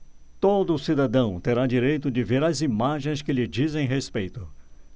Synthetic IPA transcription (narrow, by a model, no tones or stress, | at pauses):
t̪od̪ʊsid̪ad̪ɐ̃w̃t̪eɾad͡ʒiɾejt̪ʊd͡ʒɪveɾɐzimaʒẽj̃skɪʎɪd͡ʒizẽj̃ɦespejt̪ʊ